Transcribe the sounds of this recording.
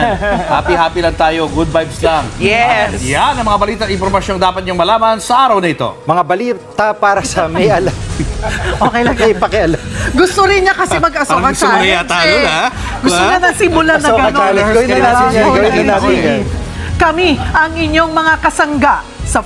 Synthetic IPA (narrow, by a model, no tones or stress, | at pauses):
ha̰ːpihaːpilɐŋt̪aːjo̞ɡud̪̚bajbslɐŋjɛjanːɐmɐŋabɐliːt̪ɐt̪ʔɪnpoɾmɐʃjoŋd̪aːpɐt̪̚ɲʊŋmɐlaːmɐnsɐʔaːɾɐwnɐɪt̪o̞̰mɐŋabɐliːt̪ɐpaːɾɐsɐmɐjʔɐlam | ʔokɐjlaŋɐpɐkɪʔɐlaɡʊst̪oɾɪnɲakɐsɛmɐɡɐsokɐsaɐjat̪aːjoa | ɡʊstoɲɐnɐɡsimʊlaɐoɡɐɐnaɡɐwɪɐnaɪaɡɐwɪɐnaɪ | kɐmiʔɐŋɪɲːo̞ŋmɐŋakɐsɐŋɡaʔ | sɐ